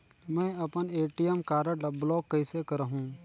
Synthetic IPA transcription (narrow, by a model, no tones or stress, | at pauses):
mɛ̃ːɐpəneːʈijəmkaːɾəɽlɐblɔːɡːɐɪsekɐɾəɦũː